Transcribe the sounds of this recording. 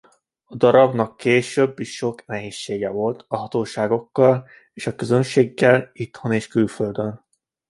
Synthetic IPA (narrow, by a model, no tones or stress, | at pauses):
ɒd̪ɒɾɒbnɒkʰːeːʃøbːiʃʃo̞knɛɦeːʃːeːɡɛvo̞lt̪ɒɦɒt̪oːʃaːɡo̞kːɒl | eːʃɒkøzø̞nʃeːɡːɛlit̪honeːʃkylfø̞ld̪øn